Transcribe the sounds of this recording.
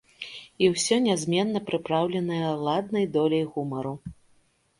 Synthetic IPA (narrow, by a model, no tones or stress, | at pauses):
iwsʲɔnʲazʲmʲɛnːɐpɾɨpɾawlʲɛnɐjɐlˠad̪nɐjd̪ɔlʲɐjɣumɐɾu